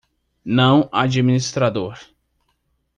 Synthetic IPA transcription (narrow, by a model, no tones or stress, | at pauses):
nɐ̃w̃ad͡ʒiminist̪ɾad̪oɾ